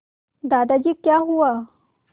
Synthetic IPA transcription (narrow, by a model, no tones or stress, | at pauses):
d̪ad̪ad͡ʑiːkjaɦua